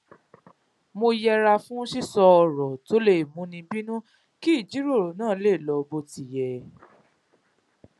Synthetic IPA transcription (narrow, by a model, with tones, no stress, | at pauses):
mo˧jɛ˧ɾa˧fũ˦ʃi˦˨sɔ˧ɔ˧˨ɾɔ˨to˨˦le˦˨mũ˨˦nĩ˧bi˦nũ˦ | ki˦˨d͡ʒi˨˦ɾo˦˨ɾo˨nãː˦˨˦le˦˨lɔ˧bo˧˦ti˨jɛ˨